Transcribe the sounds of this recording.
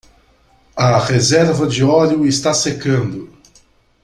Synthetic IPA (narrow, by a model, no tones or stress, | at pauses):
ɐʁezɛɾvɐd͡ʒɪɔljʊest̪asekɐ̃nd̪ʊ